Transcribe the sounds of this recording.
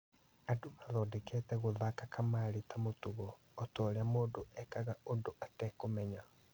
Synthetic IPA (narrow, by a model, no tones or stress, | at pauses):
adomaðɔːdɛkɛtɛɣoðakakʰamaːɾetʰamotuɣɔː | tɔːɾeamoːndoʔɛkaɣaondoʔatɛkomɛɲa